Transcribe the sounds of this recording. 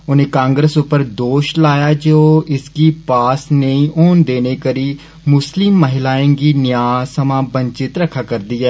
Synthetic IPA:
ʊnẽːkãːŋɡɾəsʊpːəɾd̪oːʃlaːjaːd͡ʒoːɪskiːpaːsneĩːʔoːnd̪eːneːkəɾiː | mʊslɪmːəɦɪlaːẽːɡiːnɪjaːsəmãːbə̃ɲt͡ʃɪt̪ɾəkʰːaːkəɾd̪iːɛː

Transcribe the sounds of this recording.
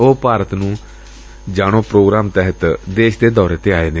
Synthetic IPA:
oːpaːɾət̪nũː | d͡ʒaːɽ̃õːpɾoːɡɾaːmt̪ɛɦət̪d̪eːʃd̪eːd̪ɔːɾet̪eːaːeːd̪e

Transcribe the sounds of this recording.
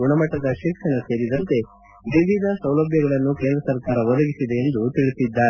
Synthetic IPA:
uɳɐmɐʈːɐd̪ɐʃikʂɐɳɐse̞ːɾid̪ɐnt̪e̞ | ʋiʋʱid̪ɐsɐwlɐbʱjɐɡɐɭɐnːuke̞ːnd̪ɾɐsɐɾkaːɾɐʋɔd̪ɐɡisid̪e̞ːnd̪ut̪iɭisid̪ːaː

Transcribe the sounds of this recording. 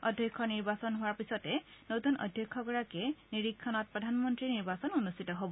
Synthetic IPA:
ɔdʱjɔkʰːɔniɹbasɔnɦʊwaɹpisɔtɛnotunɔ̰dʱjɔkʰːɔkɔɹakɛniɹikʰːɔnɔt̚pɹɔdʱanmɔntɹiniɹbasɔnunustitɔɦobɔ

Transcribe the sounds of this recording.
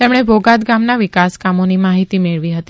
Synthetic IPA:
t̪emɽ̃ebʱoɡat̪ɡamnaʋɪkaskamonimaɦit̪imeɭʋiɦət̪i

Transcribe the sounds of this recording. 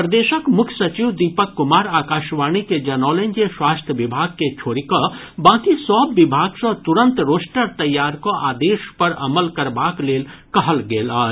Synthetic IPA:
pɾəd̪eːʃəkmʊkʰjsɐt͡ʃiːʋd̪iːpəkːʊmaːɾaːkaːʃʋaːñiked͡ʒɐnɔːlẽnd͡ʒeʃwaːst̪ʰjəʋɪbʱaːɡ̚ket͡ʃʰoːɾiko | bãːkisɔːbːɪbʱaːɡsɐ̃t̪ʊɾə̃nt̪ɾoːsʈəɾt̪ɐjːaːɾkoʔaːd̪eːʃpɐɾɐ̰məlkɐɾbaːkleːlkɐɦəlɡeːlaː

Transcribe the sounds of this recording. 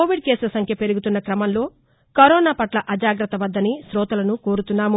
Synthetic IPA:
oːʋiɖ̚keːsulɐsɐŋkʰjɐpe̞ɾuɡut̪unːɐkɾɐmɐnlo̞ː | kɐɾɔːnaːpɐʈlɐʔɐd͡ʒaːɡɾɐt̪ɐʋɐd̪ːɐnisɾɔːt̪ɐlɐnuko̞ːɾut̪unːaːmu

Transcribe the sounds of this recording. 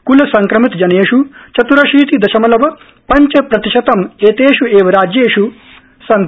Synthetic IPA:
kulɐsɐŋkɾɐmit̪d͡ʒɐneːʃut͡ʃɐt̪uɾɐʃiːt̪id̪ɐʃɐmɐlɐʋɐ | pɐɲt͡ʃɐpɾɐt̪iʃɐt̪ɐmeːt̪eːʃueːʋɐɾaːd͡ʒjeːʃu | sɐn

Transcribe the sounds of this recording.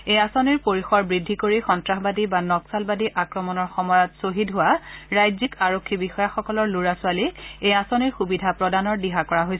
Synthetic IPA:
ejasɔniɹpoɹixɔɹbɹidʱːikoɹixɔntɹaxbadibanɔksalbadiʔakɹɔmɔnɔɹxɔmɔjɔtsoɦidɦʊaɹajzikaɹokʰːibixɔjaxɔkɔlɔɹluɹasʊaliejasɔniɹxubidʱapɹɔdanɔɹdiɦakɔɹaɦojs

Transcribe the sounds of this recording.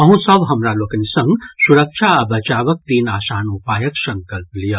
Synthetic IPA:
ɐɦũsɐbɦɐmɾaloːkɐnisɐ̃ŋɡsuɾɐkʃʰaɐbɐt͡ʃaːʋɐk̚t̪iːnaːsaːnupaːjɐksɐ̃ŋkɐlplijɐ

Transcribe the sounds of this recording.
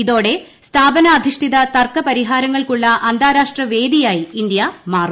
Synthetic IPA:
iðo̞ːɽe̞ | st̪ʰaːbɐnɐːd̪ʱiʂʈʰiðɐt̪ɐrkɐpɐɾiɦaːɾɐŋːɐɭkuɭːɐʔɐnd̪ʱaːɾaːʂʈrɐʋe̞ːd̪ijaːjiːnd̪jɐmaːru

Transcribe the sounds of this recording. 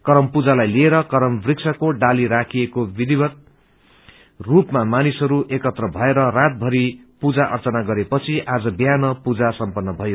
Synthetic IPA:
kʌɾʌmpud͡zalajlieɾʌkʌɾʌmbriksʰʌkoɖaliɾakʰijekobid̪ibʌt̪̚ | rupmamanisɦʌɾuʔekʌt̪rʌbʱʌeɾʌrat̪̚bʱʌɾipud͡zaʔʌrt͡sʌnaɡʌɾepʌt͡sʰiʔad͡zʌbjanʌpud͡zasʌmpʌnːʌbʱʌjo

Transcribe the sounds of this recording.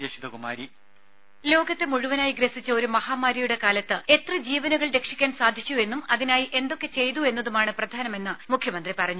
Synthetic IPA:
d͡ʑɐʂid̪ɐkuma̰ːɾi | lo̞ːɡɐt̪ːe̞muɻuʋɐnaːjiɡɾɐsit͡ɕːɐo̞ɾumɐhaːmaːɾɐjuɽe̞kaːlɐt̪ːɨe̞t̪rɨd͡ʑiːʋɐnɐɣɐɭɾe̞kʂikʲːaːnsaːd̪ʱit͡ɕːue̞nːumɐðinaːjiʔe̞nd̪o̞kːe̞t͡ɕe̞jt̪ue̞nːɐðumaːɳɨprɐd̪ʱaːnɐme̞nːɨmukʰjɐmɐnd̪ripɐrɐɲːu

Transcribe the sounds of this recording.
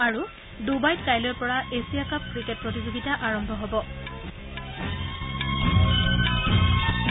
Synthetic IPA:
aɹu | dubajt̚kajlɔjɔpɔɹaesijakap̚kɹiket̚pɹɔt̬izoɡitaʔaɹɔmbʱɔɦobɔ

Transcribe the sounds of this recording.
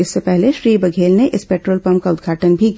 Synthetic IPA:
ɪsːepɛɦleʃɾiːbɐɡʱeːlneʔɪspeːʈɾoːlpɐ̃m̚kaʊd̪ɡʱaːʈənbʱik

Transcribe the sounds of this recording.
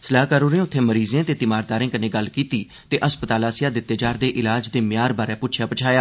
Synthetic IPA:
səlaːɦkaɾoːɾẽːʊt̪ʰːeːməɾiːzẽːt̪eːt̪ɪmaːɾd̪aːɾẽːkənẽːɡəlkiːt̪iː | t̪eːʔəspət̪aːlaːsɪjaːd̪ɪt̪ːeːd͡ʒaːɾd̪eːʔɪlaːd͡ʒd̪eːmjaːɾbaːɾɛːpʊːt͡ʃʰjaːpət͡ʃʰaːjaː

